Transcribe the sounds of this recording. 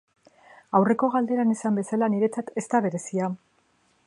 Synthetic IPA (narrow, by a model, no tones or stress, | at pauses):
awre̞ko̞ɣald̪e̞ɾanisambe̞salaniɾe̞t͡sat̪e̞st̪aβ̞e̞ɾe̞sia